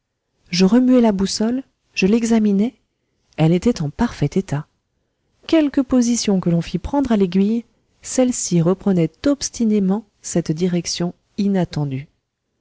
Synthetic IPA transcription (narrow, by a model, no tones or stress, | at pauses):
ʒəʁəmyɛlabusɔl | ʒ̥əlɛɡzaminɛ | ɛlet̪ɛt̪ɑ̃paʁfɛt̪et̪a | kʲɛlkəpozisjɔ̃kəlɔ̃fipχɑ̃d̪ʁaleɡʲɥij | sɛlsiʁəpχənɛt̪ɔpst̪ʰinemɑ̃ | sɛt̪d̪iʁɛksjɔ̃ | inat̪ɑ̃d̪y